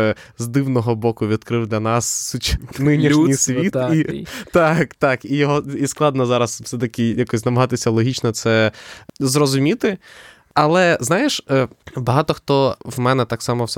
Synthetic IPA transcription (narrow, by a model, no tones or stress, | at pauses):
zd̪ɪwnɔɦɔbɔkʊʋʲid̪kɾɪwd̪lʲɐnɑsut͡ʃnɪnʲiʃnʲisʲʋʲit̪it̪ɑkt̪ɑkijɔɦɔisklˠɑd̪nɔzɑɾɐswsɛt̪ɐkʲɪjakɔsʲznɐmɐɦɑt̪ɪsʲɐlˠɔɦʲit͡ʃnɔt̪sɛ | zɾɔzʊmʲit̪ɪ | ɐlˠɛznɑjeʃbɐɦɑt̪ɔxt̪ɔʋmɛnɛt̪ɑksɑmɔwsɛ